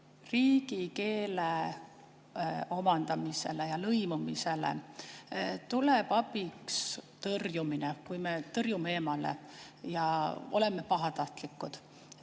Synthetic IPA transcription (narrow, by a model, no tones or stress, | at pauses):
riːɡ̥ike̞ːle | o̞mɑnd̪̥ɑmise̞̰lejɑlɤjmumise̞lḛ | t̪ulebɑbikst̪ɤrjuminekujme̞t̪ɤrjume̞ːmɑle̞̰ | jɑo̞̰le̞mːe̞pɑɦɑt̪ɑht̪likːˑud̪̥